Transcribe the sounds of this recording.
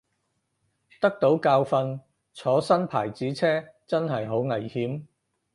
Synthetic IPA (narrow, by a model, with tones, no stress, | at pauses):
t̪ɐ˥k̚t̪o˨˥wkaː˧wfɐ˧n | t͡sʰɔː˨˥sɐ˥npʰaː˨˩jt͡siː˨˥t͡sʰɛː˥t͡sɐ˥nɦɐ˨jɦo˨˥wŋɐ˨˩jhiː˨˥m